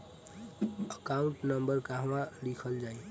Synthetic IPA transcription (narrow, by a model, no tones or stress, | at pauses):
əkauɳʈnəmbəɾkaɦwãlikʰəld͡ʒai